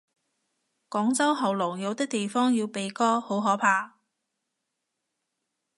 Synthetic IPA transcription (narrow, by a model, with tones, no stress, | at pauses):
kɔː˨˥ŋt͡sɐ˥wɦɐ˨wlɔ˨˩ŋjɐ˨˧wt̪ɪ˥k̚t̪e˨jfɔː˥ŋjiː˧wpe˨jkɔː˥ho˨˥wɦɔː˨˥pʰaː˧